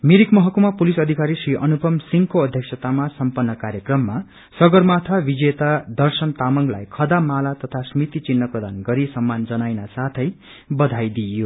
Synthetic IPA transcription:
miɾikmʌɦʌkomapulisʌd̪ʱikaɾisriʔʌnupʌmsiŋɡkoʌd̪ʱjʌksʰʌt̪amasʌmpʌnːʌkaɾjʌkrʌmːa | sʌɡʌrmat̪ʰabid͡zet̪ad̪ʌrsʌnt̪amʌŋɡla̰jkʰʌd̪amalat̪ʌt̪ʰasmit̪it͡sinːʌprʌd̪anɡʌɾisʌmːand͡zʌnajnasat̪ʰʌj | bʌd̪ʱajd̪ijo

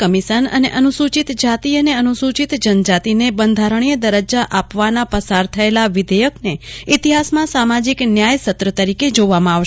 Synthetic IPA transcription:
kəmiʃənə̰neʔənusut͡ʃit̪d͡ʒat̪iəneənusut͡ʃit̪d͡ʒənd͡ʒat̪inebənd̪ʱaɾəɳ̃ijəd̪əɾəd͡ʒaʔapʋanapəsaɾt̪ʰəelaʋid̪ɛjəkneit̪iɦasmãsamad͡ʒiknjajsət̪ːɾət̪əɾiked͡ʒoʋamãaʋ

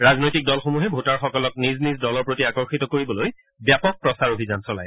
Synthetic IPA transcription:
ɹaznojtik̚dɔlxomuɦɛbʱutaɹxɔkɔlɔk̚niznizdɔlɔɹpɹotiakɔɹxitɔkoɹibɔloj | bjapɔk̚pɹɔsaɹobʱizansɔla̰j

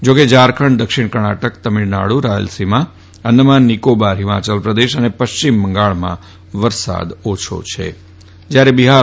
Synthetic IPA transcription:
d͡ʒoked͡ʒaɾkʰəɳd̪əkʃɪɳ̃kəɾɳ̃aʈəkt̪əmiɽna̰ɽuɾaə̰lsimã | ənːəmãnːikobaɾɦɪma̰t͡ʃəlpɾəd̪eʃənepəʃt͡ʃimːəŋɡaɭmã̰ | ʋəɾsa̰d̪ot͡ʃʰo̰t͡ʃʰḛ | d͡ʒjaɾebiɦa

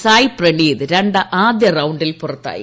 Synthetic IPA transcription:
saːjprɐɳiːðɨɾeɳɖɨʔaːd̪jɐrɐwuɳɖilpurɐt̪ːa̰ːjḭ

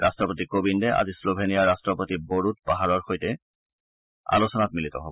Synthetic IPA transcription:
ɹastɹɔpotikobindɛʔa̰zislobʱenijaɹastɹɔpotiboɹut̚paɦaɹɔɹxojtɛ | a̰losɔnatmilitɔ̰ɦob

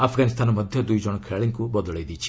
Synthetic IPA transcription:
apʰɡaːnɪst̪aːnɔmɐd̪ʱjɔd̪uid͡ʒɔɽ̃kʰeɭɭɪ̃ŋkubɔd̪led̪it͡ʃʰi̥

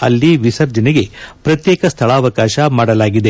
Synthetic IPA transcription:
ɐ̰lːiʋisɐɾd͡ʒɐniɡe̞pɾɐt̪jeːkɐst̪ʰɐɭɐːʋɐkaːʃɐmaːɽɐlaːɡid̪e̞

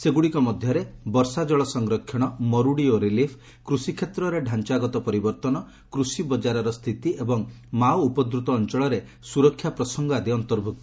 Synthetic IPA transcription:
seɡuɽikɔmɔd̪ʱjɔɾebɔɾsad͡ʒɔɭɔsɔŋɡɾɔkʰːjɔɽ̃ɔmɔɾuɽioɾilipʰ | kɾusikʰːjet̪ɾɔɾeɖʱant͡ʃaɡɔt̪ɔpɔɾibɔɾt̪ɔnɔ | kɾusibɔd͡ʒaɾɔɾɔst̪ʰit̪iebɔŋ | mawupɔd̪ɾut̪ɔːnt͡ʃɔɭɔɾe | suɾɔkʰːjapɾɔsɔŋɡɔad̪iɔnt̪ɔɾbʱuk̚t̪ɔ

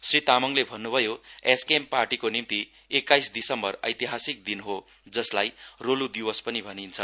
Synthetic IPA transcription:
srit̪amʌŋlebʱʌnːubʱʌjoeskemparʈikonimt̪i | ekːajsd̪isʌmbʌrʌ̰jt̪iɦasik̚d̪inɦo | d͡zʌslajrolud̪iwʌspʌnibʱʌnint͡sʰʌ

